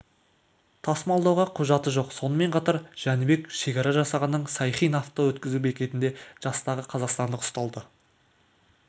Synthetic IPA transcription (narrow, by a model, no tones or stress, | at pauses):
t̪ʰɑsmɑlˠd̪ɑwʁɑqʰʊʒɑt̪əʒo̞qso̞nəme̞ɴqʰɑt̪ɑɾʒ̥ænɪbe̞kʃe̞kʲɑɾɑʒɑsɑʁɑnːəɴsɑjχijnaft̪owɵt̪̚kʲɪzubekʲe̞t̪ɪnd̪e̞ʒ̥ɑst̪ɑʁəqʰɑzɑqst̪ɑnd̪əqʊ̥st̪ɑlˠd̪ə